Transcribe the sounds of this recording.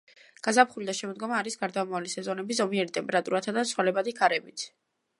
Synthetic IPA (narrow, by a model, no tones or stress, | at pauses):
ɡ̥azapʰχulid̪aʃɛmɔd̪ɡɔmaːɾisɡaɾd̪aːmavalisɛzɔnɛbizɔmiɛɾit̪ʼɛmpɛɾat̪ʼuɾat̪ʰad̪asʰwalɛbad̪ikʰaɾɛbit̪ʰ